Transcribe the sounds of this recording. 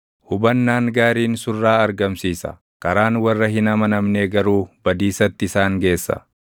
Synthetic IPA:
hʊbɐnːaːŋɡaːɾiːnsʊrːaːɐɾɡɐmsiːsɐ̰ | kɐɾaːnwɐrːɐɦɪnɐmɐnɐmneːɡɐɾuːb̥ɐd̪iːsɐt̪ːɪɪsaːŋɡe̞ːsːɐ̰

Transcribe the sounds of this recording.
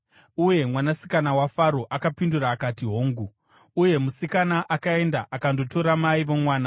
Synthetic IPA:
uje̞mwanasi̥kanawafaɾo̞ʔakapinduraːkatiɦo̞ːŋɡu | uje̞musikanaʔakae̞ndaʔakando̞to̞ɾamaiʋomwaːna

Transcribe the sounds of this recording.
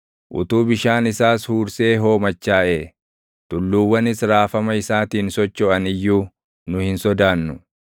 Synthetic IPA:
ʔʊ̰t̪uːbɪʃaːnɪsaːshuːɾse̞ːɦo̞ːmɐt͡ʃːaːʔeː | t̪ʊlːuːwːɐnɪsɾaːfɐmɐɪsaːt̪iːnsɔt͡ʃːɔɐnɪjːuː | nʊhɪnsɔd̪aːnːʊ

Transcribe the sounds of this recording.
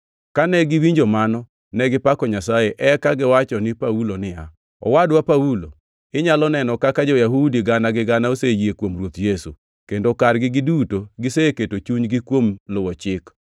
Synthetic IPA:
kanɛɡɪwiɲd͡ʒomanɔ | nɛɡɪpakɔɲasajeʔɛkaɡɪwat͡ʃɔnɪpaulonɪja | ɔ̰wadwapaulo | ɪɲalɔnɛnɔkakad͡ʒɔjaɦudiɡanaɡɪɡanaosejekwomrwot̪jesṵ | kendokarɡɪɡɪdutoɡɪseketot͡ʃuɲɡɪkwomlʊwɔt͡ʃɪk

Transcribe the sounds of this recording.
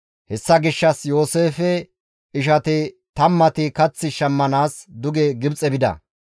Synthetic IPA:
hɛsːɐɡɪʃːɐsjo̞ːseːfɛ | ɪʃ̬ɐt̪ɪ | t̪ɐmːɐt̪ɪkɐt͡sːɪʃɐmːɐnaːsd̪ʊɡɛɡɪbt͡sʼɛbɪd̪ɐ̰

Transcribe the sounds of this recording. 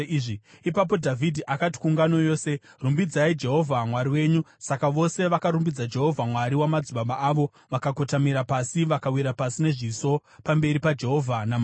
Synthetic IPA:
ʐiipap̬o̞dʱavʱidʱiʔakati̥kuŋɡano̞jo̞ːse̞rumbid͡zaid͡ʒe̞ɦo̞vʱamwaɾiwe̞ːɲusakaʋo̞se̞ʋakaɾumbid͡zad͡ʒe̞ɦo̞vʱamwaɾiwamad͡zuɓaɓaʔaːʋo̞ | ʋakako̞tamiɾapasiʋakawiɾapasine̞ʐiso̞pambe̞ɾipad͡ʒe̞ɦo̞vʱanam

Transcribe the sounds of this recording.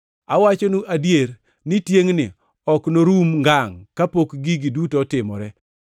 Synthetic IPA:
awat͡ʃonuʔadjeɾ | nɪtjeŋnɪ̰ | ɔknoɾumŋɡaŋkapokɡiɡidutɔtɪmɔ̰ɾɛ

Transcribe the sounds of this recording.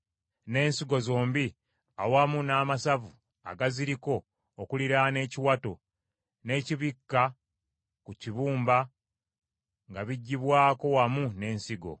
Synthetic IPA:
ne̞ːnsiɡo̞zo̞ːmbi | awamunaːmasavu | a̰ɡaziɾiko̞ː | kuliɾane̞ːciwato̞ | ne̞ːciβikːa | kuciβuːmba | ŋɡaβiɟːiβwaːko̞wamune̞ːnsiɡo̞̰

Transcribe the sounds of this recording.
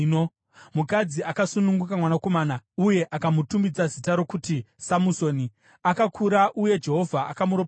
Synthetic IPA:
no | mukad͡ziakasunuŋɡukamwanako̞maːnauje̞ʔakamutumbid͡zazitaɾo̞kutisamuso̞ni | akakʰuɾaʔuje̞d͡ʒe̞ɦo̞vʱaakamuɾo

